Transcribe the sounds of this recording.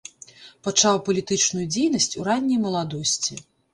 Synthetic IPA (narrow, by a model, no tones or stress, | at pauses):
pat͡ʂawpɐlʲit̪ɨt͡ʂnujud͡zʲejn̪ɐsʲt͡sʲuɾanʲːɐjmɐlˠad̪ɔsʲt͡sʲi